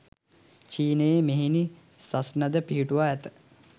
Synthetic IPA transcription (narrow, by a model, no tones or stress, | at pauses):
t͡ʃiːnəjemeɦini | sasnɐd̪əpiɦiʈuʋaːɛt̪ə̥